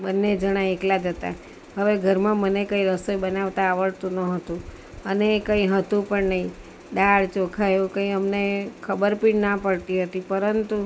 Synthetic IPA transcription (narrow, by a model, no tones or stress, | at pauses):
bənːed͡ʒəɽ̃aeklad͡ʒət̪a̰ | ɦəʋeɡʱəɾmãmənekəiɾəsojbənaʋt̪aːʋəɭt̪ũnəɦət̪ũ | ənekəĩɦət̪ũpəɳnəɦĩ | ɗaɭt͡ʃokʰajũkə̃ĩəmnekʰəbəɾpiɽnapəɭt̪iɦət̪ipəɾənt̪u